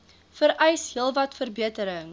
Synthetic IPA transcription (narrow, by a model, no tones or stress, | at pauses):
fəɾʔɛjsɦiəlˠvɐtfərbiətəɾəŋ